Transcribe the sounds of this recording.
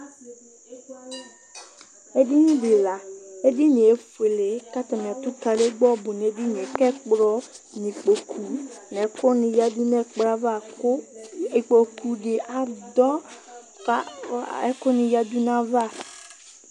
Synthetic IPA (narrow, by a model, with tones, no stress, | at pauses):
e˦ɖi˦nĩ˦ɖe˨la˨e˦ɖi˦nĩ˨e˦fe˨le˨ka˦t̪a˨mĩ˨a˨t̪u˦ka˨le˦ɡ͡bɔ˦bu˨n˨e˨˦ɖi˦nũ˨e˨kɛ˦k͡pɾɔ˦ | nĩ˨k͡po˨kʰu˨nɛ̃˨˦kɔ˦nĩ˨ja˦di˦nɛ̃˨k͡pɾa˦va˦˨˦ | e˨k͡po˨kʰu˨ɖe˨ʔa˨d̪ɔ˦ | a˦ɛ˦kɔ˦nĩ˨ja˦d̪u˦nã˦va˦˨